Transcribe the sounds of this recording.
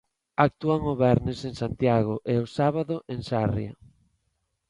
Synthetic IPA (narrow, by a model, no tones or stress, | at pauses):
ak̚t̪uaŋʊβɛɾnɪseŋsant̪jaɣʊʔeʊsaβaðʊʔeŋsarja̰